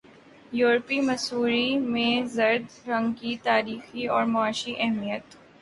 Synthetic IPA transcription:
juːɾpimɐsuːɾimẽzɐɾd̪ɾɐ̃ŋɡkit̪aːɾiːxiɔːɾmʊaːʃiʔɛɦmijət̪

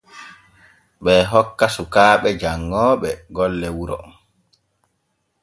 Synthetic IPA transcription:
ɓɛɦɔkːasukaːɓɛd͡ʒaŋːɔːɓɛɡɔlːɛwuɾɔ̰

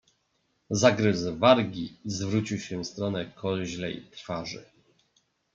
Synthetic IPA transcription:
zaɡɾɘzvaɾɡʲizvɾut͡ɕiwɕɛvst̪ɾɔnɛkʰɔʑlɛ̰jt̪ɾfaʐɘ̰

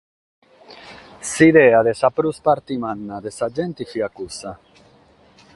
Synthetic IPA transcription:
siðɛːaðesapɾuspaɾt̪imanːad̪esad͡ʒɛnt̪ifiakusa

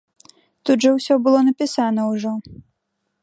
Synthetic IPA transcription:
t̪ud̪ʐɐwsʲɔbɨlˠɔnɐpʲisanɐwʐɔ

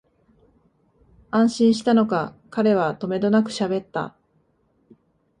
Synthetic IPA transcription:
ãɰ̃ɕĩɰ̃ɕi̥t̪ano̞kakaɾe̞β̞at̪o̞me̞d̪o̞nakɯ̟̥ɕabe̞t̪ːa̰

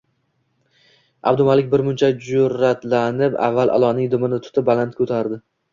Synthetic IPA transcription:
a̰b̚d̪ʊmalɪkʲbɪɾmʊnt͡ʃʰad͡ʒʊɾat̪lanɪpa̰vːalʔa̰lˠɒnɪŋd̪ʊmɪnɪt̪ʰʊ̥t̪ʰɪp̚balant̪̚kʰɵt̪ʰaɾd̪ɪ

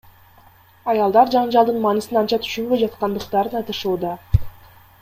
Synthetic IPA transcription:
ɑjɑlˠd̪ɑɾd͡ʒɑɴd͡ʒɑlˠd̪ɯnmɑnɯsɯnɑnt͡ʃɑt̪ʰy̥ʃymbøjd͡ʒɑt̪̚qɑnd̪ɯqt̪ɑɾɯnɑt̪ɯʃuːd̪ɑ

